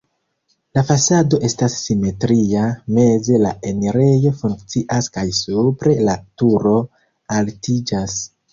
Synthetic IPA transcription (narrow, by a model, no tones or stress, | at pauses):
lafasado̞ʔe̞stasːime̞tɾiame̞ze̞laeneɾejo̞fuŋkt͡siʔaskajsupɾe̞latuɾo̞ | altid͡ʒas